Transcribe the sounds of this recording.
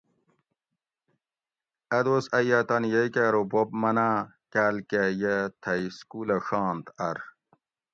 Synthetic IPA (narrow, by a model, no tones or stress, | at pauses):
ɐd̪osɐjat̪ɐnjejkaːɾobobmɐna | kaːlkejet̪ʰɐiskulɐʂaːnt̪ɐɾ